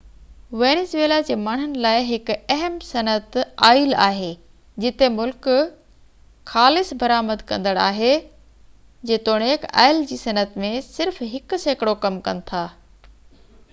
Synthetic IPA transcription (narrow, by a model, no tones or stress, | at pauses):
ʋeːnesʋeːlad͡ʑeːmaːɳ̤ʊnɪ̆laːɪɦɪk̆ɐɦəmsɐnət̪aːɪla̰ːɦeː | d͡ʑɪt̪emʊlk | xaːlɪsbɐɾaːməd̪kɐ̃nd̪əɽaːɦe | d͡ʑeːt̪oːɽ̃eːka̰ːɪld͡ʑiːsɐnət̪mẽsɪɾfɦɪkʊseːkɪɽokɐmkɐ̰nɪ̆t̪ʰaː